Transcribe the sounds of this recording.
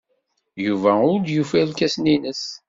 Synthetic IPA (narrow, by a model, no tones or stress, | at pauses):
juvæʊɾd̪jufælkæsninəs